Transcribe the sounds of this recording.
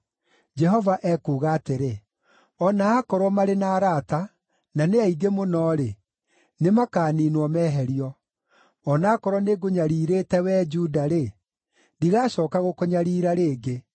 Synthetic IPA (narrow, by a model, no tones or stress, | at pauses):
d͡ʒɛɦɔvaʔɛkuːɣaːteɾe | ɔnaːkɔɾwɔmaɾenaːɾata | naneaiɡemonɔːɾe | nemakaːninwɔmɛːɦɛɾiɔ | ɔnaːkɔɾwɔneɡoɲaɾiːɾeːtɛwɛːd͡ʒuːdaɾe | ndiɣaːɕɔːkaɣokoɲaɾiːɾaɾeːɡe